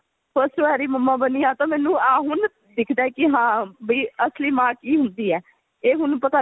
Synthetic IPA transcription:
pʰəɾsʈʋaːɾiːməmːãːbəniːãːt̪ãːmɛːnũːaːɦʊn | d̪ɪkʰd̪aːɛkɪɦãːbiːəsliːmãːkiːɦʊnd̪iːɛː | eːɦʊnpət̪aː

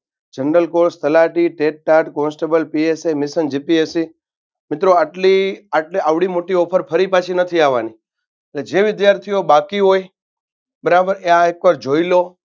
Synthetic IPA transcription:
d͡ʒəɳɖəlkoɾst̪əlaʈiʈeʈ̚ːaʈkɔnsʈebəlpiesejmɪsənd͡ʒipiesi | mɪt̪ɾoaʈliaʈleaʋɽimoʈiɔpʰəɾpʰəɾipat͡ʃʰinət̪ʰiaʋani | eled͡ʒeʋɪd̪jaɾt̪ʰijobakiɦoj | bəɾabəɾeãekʋaɾd͡ʒoilo

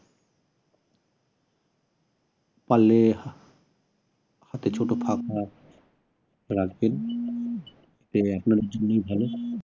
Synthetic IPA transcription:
palːe | hat̪et͡ɕʰoʈopʰaka | ɾaɡben | et̪eapnaɾeɾd͡ʑonːojbʱalo

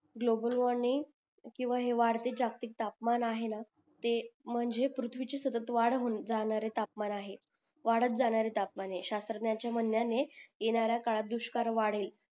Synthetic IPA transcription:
ɡlobəlʋɔɾniŋ | kĩw̃ʋaɦeʋaɽt̪ed͡zakt̪ik̚t̪apmanaɦena | t̪em̤əɳd͡zepɾut̪ʰʋit͡ɕesət̪ət̪ʋaɽɦond͡zañaɾet̪apmanaɦe | ʋaɽət̪̚d͡zaɽ̃aɾet̪ap̚maneɕast̪ɾət̪njat͡ɕjamənjanejeñaɾjakaɭat̪̚d̪uɕkaɾʋaɽ̤el

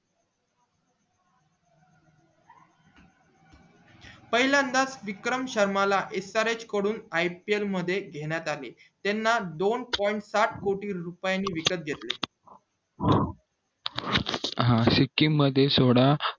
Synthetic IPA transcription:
pəɦiljand̪asʋikɾəmɕəɾmalaʔesaɾet͡ɕkəɽuːnajpielməd̪ʱːjeɡʱeɽ̃jat̪ale | t̪enːad̪onpɔiɳʈsaʈʰkoʈiːɾupjanːiːʋikət̪̚ɡʱet̪le | ɦãsikːimːəd̪ʱːjesoɽa

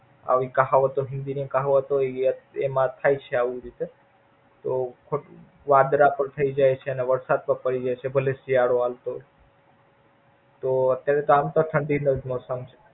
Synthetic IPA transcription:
a̰ʋikəɦaʋət̪oɦɪ̃nd̪inikəɦaʋət̪oemãt̪ʰajt͡ʃʰeaʋiɾit̪e | t̪okʰo | ʋad̪ɾapəɳt̪ʰəid͡ʒajt͡ʃʰeəneʋəɾsad̪̚pəɾpəɽid͡ʒajt͡ʃʰebʱəlesiaɽoalt̪o | t̪oət̪jaɾet̪oamt̪oʈʰəɳɖinəd͡ʒmɔsəmt͡ʃʰe̥

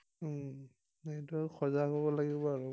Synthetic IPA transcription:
natuaxʰɔzaɦɔbɔlaɡibɔaɹu

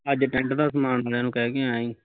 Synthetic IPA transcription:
əd͡ʒʈɛ̃ɳʈd̪aːsəmaːnaːleːnũːkɛːkeaːĩː

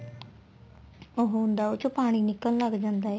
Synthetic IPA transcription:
ʊɦʊ̃nd̪aːoːt͡ʃopaːɽ̃iːnɪkːəlləɡd͡ʒãːnd̪aːɛː

